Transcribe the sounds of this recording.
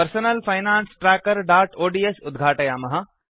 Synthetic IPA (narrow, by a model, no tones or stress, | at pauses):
pɐɾsonɐlfʰɐjnaːnsʈɾaːkəɾɖaːʈoːɖiːesʊd̪ɡʱaːʈɐjaːmɐɦɐ